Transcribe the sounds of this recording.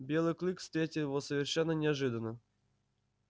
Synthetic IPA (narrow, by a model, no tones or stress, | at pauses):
bʲelˠɨjklʲˠikfst̪ɾʲetʲɪlˠɪvosəvʲɪrʂɛnːənʲɪaʐɨd̪ənːə